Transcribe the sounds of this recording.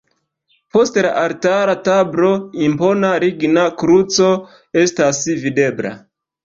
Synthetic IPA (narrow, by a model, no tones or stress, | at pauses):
po̞stla̰ʔaltaɾatablo̞impo̞naɾiɡnakɾut͡so̞ | e̞stasvide̞bla̰